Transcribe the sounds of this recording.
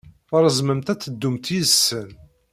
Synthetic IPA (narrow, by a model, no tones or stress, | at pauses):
əɾˤəzməmt̪æt͡sːəd̪ːumt̪isːən